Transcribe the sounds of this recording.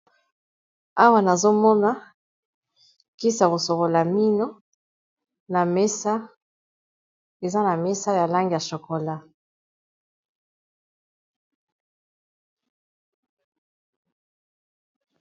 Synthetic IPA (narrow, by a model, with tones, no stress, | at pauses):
a˦wa˦na˨zo˦mɔ˦na˦ | ki˦sa˨ko˨so˨ko˨la˨mi˦no˦ | na˨mɛ˦sa˦ | e˨za˦na˨mɛ˦sa˦ja˨la˦ŋɡi˨ja˨ʃo˨ko˨la˦